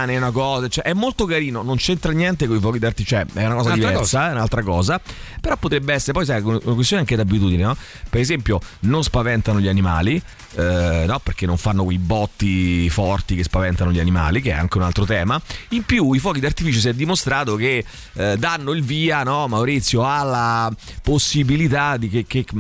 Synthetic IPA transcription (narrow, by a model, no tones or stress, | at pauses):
neunakɔːzat͡ʃɛʔɛmːolt̪okaɾiːnonont͡ʃɛnt̪ɾanjɛnt̪̬ekoifɔːkid̪art̪it͡ʃoɛɛunakɔːzad̪ivɛsaɛunalt̪ɾakɔːzapeɾɔpːot̪ɾebːeɛsːeɾepɔjs̬ajununakwest̪joːnaŋked̪abːit̪uːd̪inenɔ | peɾezɛmpjononspavɛnt̪anoʎianima̰ːli | nɔperk̟enːoɱfanːokwejbɔt̪ːifɔrt̪ikespavɛnt̪anoʎianima̰ːlik̟eɛ̰a̰ŋk̟eunalt̪ɾot̪ɛːmaimpjuifwɔːkid̪art̪ifiːt͡ʃos̬iɛd̪ːimost̪ɾaːt̪oke | d̪anːoilviːanɔmawɾit̪sːjoalːaposːibilit̪ad̪ikekːe